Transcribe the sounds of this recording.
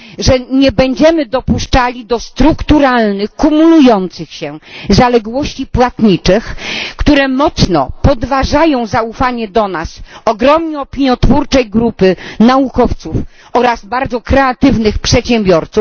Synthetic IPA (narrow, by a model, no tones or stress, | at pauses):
ʐɛɲɛbɛɲd͡ʑɛmɘd̪ɔpuʂt͡ʂalʲid̪ɔst̪ɾukt̪uɾalnɘxkumulujɔnt̪sɘxɕɛzalɛɡwɔɕt͡ɕipwat̪ɲit͡ʂɘxkt̪uɾɛmɔt̪snɔpɔd̪vaʐajɔ̃w̃zaufaɲɛd̪ɔnasɔɡɾɔmɲɛɔpʲiɲjɔt̪fuɾt͡ʂɛjɡɾupɘnaukɔft̪suf | ɔɾazbaɾd̪zɔkɾɛat̪ɘvnɘxpʂɛt̪ɕɛ̃mbʲjɔɾt̪suf